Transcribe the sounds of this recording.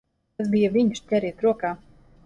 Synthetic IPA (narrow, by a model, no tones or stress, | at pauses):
asbijaviɲskʲɛɾiːt̪ɾuɔkaː